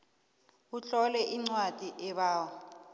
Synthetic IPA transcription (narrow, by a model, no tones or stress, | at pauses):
ut͡ɬɔlɛʔiŋ͡ǀwad̥ʼʱiʔɛɓaːwɔ